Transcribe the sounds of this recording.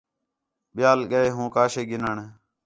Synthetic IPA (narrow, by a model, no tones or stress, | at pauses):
ɓɪjaːlɠəeːɦũːkaːʃeːɡɪnəɳ